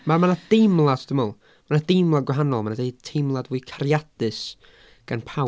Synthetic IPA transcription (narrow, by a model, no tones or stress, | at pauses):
mamanad̥ejmlˠadd̥əmɔlˠ | manad̥ejmlˠadɡwɛɦanɔlˠmanadejtʰejmlˠadwiɨkʰaɾjadɨs | ɡ̥anpʰa